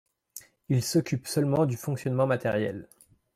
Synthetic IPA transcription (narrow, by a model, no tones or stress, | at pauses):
ilsɔkʲypsœlmɑ̃d̪yfɔ̃ksjɔnmɑ̃mat̪ɛʁjɛ̰l